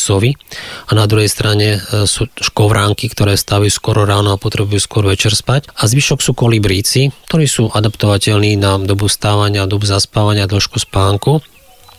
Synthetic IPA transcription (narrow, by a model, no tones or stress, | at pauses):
sɔʋianad̪ɾuɦɛjst̪ɾaɲɛsuːʃkɔʋɾʔaːŋkikt̪ɔɾɛːst̪aʋajuːskʊɔɾɔɾaːnɔapɔt̪ɾɛbujuːskʊɔɾʋɛt͡ʃɛɾspacazʋiʃɔksuːkɔlibɾiːt͡sik̚t̪ɔɾiːsuːʔad̪apt̪ɔʋacɛʎniːnad̪ɔbust̪aːʋaɲɪad̪ɔbuzaspaːʋaɲɪad̪ɔʃkuspaːŋku